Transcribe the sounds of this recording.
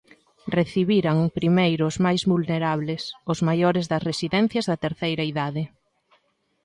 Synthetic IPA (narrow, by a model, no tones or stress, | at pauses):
reθiβiɾaŋpɾimejɾʊzmajzβulneɾaβlesʊzmajoɾɪzðɐsresiðɛn̟θjɐzðɐt̪eɾθejɾɐiðaðɪ